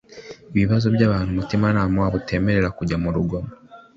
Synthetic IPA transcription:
iβiβazo̞bɟaːβaːn̥humutimanaːmwaβutʰe̞ːme̞ɾe̞ɾakuɟamuɾuɡom

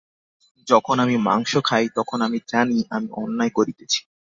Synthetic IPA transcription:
d͡ʑɔkʰonamima̰ŋʃokʰajt̪ɔkʰonamid͡ʑaniʔa̰miʔɔnːaekoɾit̪et͡ɕʰi̥

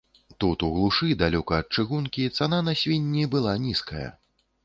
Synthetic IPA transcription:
t̪ut̪uɣlˠuʂɨd̪alʲɔkɐːt̪̚t͡ʂɨɣunkʲit̪sananɐsʲvʲinʲːibɨlˠanʲiskɐjɐ̰

